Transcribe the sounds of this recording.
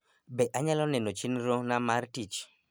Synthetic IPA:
bɛʔaɲalɔnɛnot͡ʃinɾonamartit͡ʃ

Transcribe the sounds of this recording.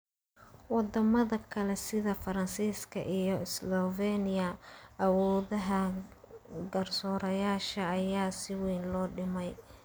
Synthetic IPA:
wɑd̪ɐmɐðɐkʰɐlɛsɪðɐfɐɾɐnsiːskʰɐ̰ʔijɔɪslɔvɛnɪjɐɐwɔːðɐɦɐ | ɡɐrsɔːɾɐjaːʃɐːjaːsɪwɛjnlɔːɖɪmɛj

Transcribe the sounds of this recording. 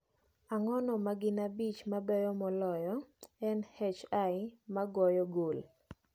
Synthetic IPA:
aŋɔnɔmaɡɪnabit͡ʃmabɛjɔmɔlɔjɔɛnhɛt͡ʃajmaɡɔjɔɡol

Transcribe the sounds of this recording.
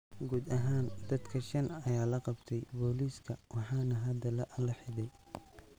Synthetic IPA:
ɡuːd̪ɐɦaːnd̪̥ɐd̪kʰɐʃɐnɐjaːlɐqɑbt̪ʰɛjbɔːliːskʰɐwɑħɑːnɐɦɐd̪ɐlɐʔɐlɐħɪðɛj

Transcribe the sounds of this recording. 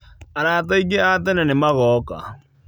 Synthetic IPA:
aɾaːt̬aiɣeatɛnɛnemaɣɔka̰

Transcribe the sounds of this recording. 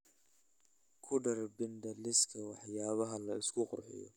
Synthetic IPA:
kʰʊɖɐrbɪnd̪ɐlɪskʰɐwɑħjaːβɐɦɐlɐɪskʰʊqʊ̰rħɪ̰jɔ̰

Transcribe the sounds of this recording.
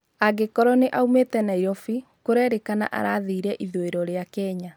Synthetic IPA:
aɡekɔɾɔneʔaumetɛnaiɾɔfi | koɾɛɾekana̰ʔa̰ɾaðiːɾɛʔiðoeɾɔɾeakɛɲa

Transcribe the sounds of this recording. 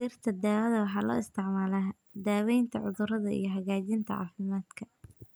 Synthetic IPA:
iːrt̪ʰɐd̪aːwɐðɐwɑħɑːlɔ̰ːɪst̪ʰɪʕmaːlaː | d̪aːwɛjnt̪ʰɐʕʊðʊrɐðɐḭjɞɦɐɣaːt͡ʃɪnt̪ʰɐ̰ʕɑ̰ːfɪmaːd̪kʰɐ

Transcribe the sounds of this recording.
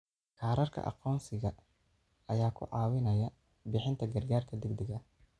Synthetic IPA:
kʰaːɾɐrkʰɐ̰ʔɑ̰qɔːnsɪɣɐ | ɐjaːkʰʊ̰ʕɑːwɪnɐjɐ | bɪħɪnt̪ʰɐɡɐrɡaːrkʰɐd̪ɛɡd̪ɛɣɐ

